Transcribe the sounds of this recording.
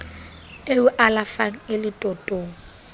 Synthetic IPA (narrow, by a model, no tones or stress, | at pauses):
eʊʔalafaŋ̩ɪlɪtʼɔtʼoːŋ̩